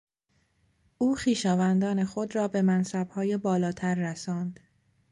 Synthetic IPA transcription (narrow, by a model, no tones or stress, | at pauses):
ʔuːxiːʃɒːvænd̪ɒːne̞xo̞d̪rɒːbe̞mænsæbhɒːjebɒːlɒːt̪ʰæɾːæsɒːnd̪̥